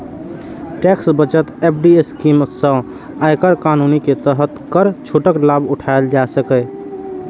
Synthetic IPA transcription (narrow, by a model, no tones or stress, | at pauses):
ʈeksbət͡ʃət̪eːp̚ʰɖieskiːmsə̃ | aɪkəɾkaːnuniket̪əɦət̪kəɾt͡ʃʰuʈəklabʊʈʰaeld͡ʒasəkə